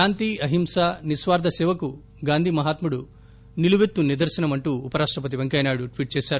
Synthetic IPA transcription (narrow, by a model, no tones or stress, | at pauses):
aːnt̪iɐɦimsanisʋaːɾd̪ɐseːʋɐku | ɡaːnd̪ʱimɐɦaːt̪muɽu | niluʋet̪ːunid̪ɐɾsɐnɐmɐɳʈuːpɐɾaːʂʈɾɐpɐt̪̬iʋeŋkɐjnaːɽuʈʋiːʈ̚t͡ʃeːsɐɾ